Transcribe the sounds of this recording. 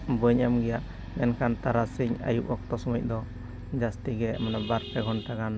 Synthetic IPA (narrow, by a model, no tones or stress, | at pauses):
bəɲamɡɛjaʔ | mɛnkant̪aɾasiɲa̰juʔɔk̚t̪ɔsɔməc̚ˀd̪ɔ | d͡ʒast̪iɡɛmanabaɾpɛɡʱɔnʈaɡan